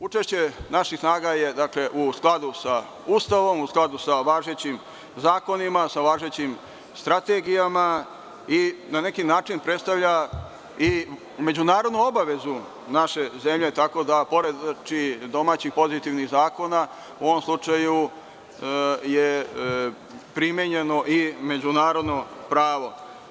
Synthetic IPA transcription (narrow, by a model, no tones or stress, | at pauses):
ut͡ʃeʃt͡ɕe̞naʃixsnaːɡaje̞d̪akle̞ʔusklˠad̪usa | ust̪aʋo̞musklˠad̪usaʋaːʒe̞t͡ɕim | zaːko̞nimasaʋaːʒe̞t͡ɕim | st̪ɾat̪e̞ɡijama | inane̞kinaːt͡ʃinpɾet̪st̪aʋʎʲa | i | me̞d͡ʑunaːɾo̞d̪nuobaʋe̞zu | naʃe̞ze̞mʎe̞t̪ako̞d̪apo̞ɾe̞d̪t͡ʃid̪o̞maːt͡ɕixpo̞zit̪iʋniɣzaːko̞na | uʋomslˠut͡ʃaju | je | pɾimjeɲenoʔime̞d͡ʑunaːɾo̞d̪nopɾaːʋo̞